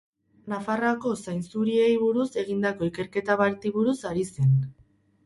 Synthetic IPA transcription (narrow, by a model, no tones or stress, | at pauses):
nafarako̞sajnsuɾie̞jβuɾuse̞ɣ̞ind̪ako̞ike̞ɾke̞t̪aβaɾt̪iβuɾusaɾise̞n